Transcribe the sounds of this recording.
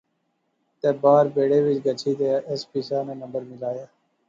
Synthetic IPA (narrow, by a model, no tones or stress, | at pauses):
t̪eːbaːɾbeːɽeːʋɪt͡ʃɡət͡ʃʰiːd̪eːʔespiːsaːnẽːnə̃mbəɾmɪlaːjaː